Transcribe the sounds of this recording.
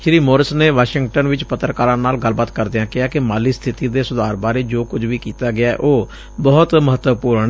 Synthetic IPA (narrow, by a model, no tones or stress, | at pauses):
ʃɾiːmoːɾəsneːʋaːʃɪŋɡʈənʋɪt͡ʃpət̪ːɾəkaːɾãːnaːlɡəlbaːt̪kəɾd̪ɪãːkɪaːkɪmaːliːst̪ʰɪt̪iːd̪eːsʊd̪aːɾbaːɾeːd͡ʒoːkʊd͡ʒʋiːkiːt̪aːɡɪaːɛ̰ʔoː | bɔːt̪məɦət̪əpuːɾɳ